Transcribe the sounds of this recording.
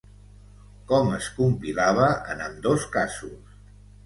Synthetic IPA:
kɔməskumpilaβ̞əʔənəmd̪oskasus

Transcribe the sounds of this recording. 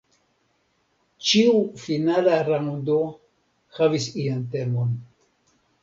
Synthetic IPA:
t͡ʃiufinalaɾaŋd̪o | havisiantemon

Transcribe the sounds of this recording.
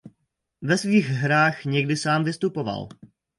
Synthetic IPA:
vɛsviːɣɦɾaːxɲɛɡdɪsaːmvɪst̪upo̞va̰l

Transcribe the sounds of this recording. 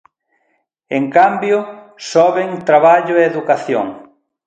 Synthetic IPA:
eŋkambjʊ | sɔβeŋt̪ɾaβaʎʊeeðukaθjo̰ŋ

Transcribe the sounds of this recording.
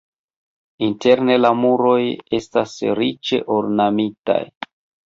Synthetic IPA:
inte̞ɾne̞lamuɾo̞je̞stasɾit͡ʃe̞̰ʔoɾnamita̰j

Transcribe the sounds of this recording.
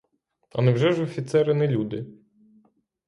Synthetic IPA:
ɐ̰nɛwʒɛʒɔfʲit̪sɛɾɪnɛlʲud̪ɪ

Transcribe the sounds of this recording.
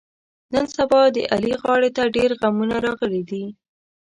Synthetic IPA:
nənsabɑd̪ə̰ʔaliɣɑɽet̪aɖeɾɣamunaɾɑɣəlid̪i

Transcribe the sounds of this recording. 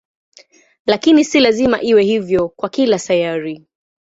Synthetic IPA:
lakinisilazimaʔiwɛhivjɔkwakilasajaɾi

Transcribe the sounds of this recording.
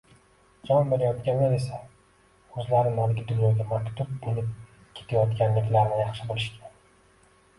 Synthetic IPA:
d͡ʒɒnbe̞ɾajɒt̪kʲanlaɾe̞sa | ɵzlaɾɪnalɡʲɪd̪ʊnjɒɡʲamakʲt̪ʊb̚be̞lɪp̚ | kʲʰet̪ʰajɒt̪kʲanlɪkʲlaɾnɪjɑχʃɪbolˠɪʃkʲʰan

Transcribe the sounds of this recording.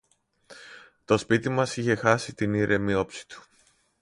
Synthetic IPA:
t̪o̞spit̪imɐsiçe̞xɐsit̪iniɾʔe̞mio̞psi̥t̪u̥

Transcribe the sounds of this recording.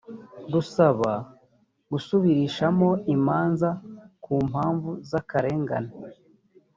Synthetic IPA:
ɡusaβa | ɡusuβiɾiʃamo̞imaːnzakuːm̥aːɱvuzakaɾe̞ːŋɡa̰na

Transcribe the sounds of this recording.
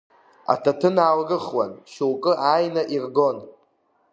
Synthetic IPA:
a̰tʰatʰɨnaːlɡɨχwanʃuwkʼɨʔaːjnaʔirɡo̞n

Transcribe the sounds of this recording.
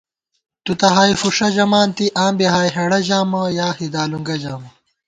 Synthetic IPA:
t̪ut̪ɐɦaːjfuʂɐʑɐmaːnt̪iʔaːmbiɦaːjɦeɽɐʑaːmɐjaːhid̪aːluŋɡɐd͡ʑaːmɐ

